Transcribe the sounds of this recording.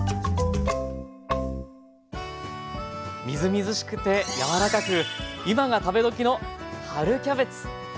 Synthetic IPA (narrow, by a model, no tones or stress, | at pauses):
mʲizɨmʲizɨɕi̥kɯ̟̥t̪e̞jaβaɾakakɯ̟imaɡat̪abe̞d̪o̞kʲino̞haɾɯ̟kʲabe̞t͡sɨ̥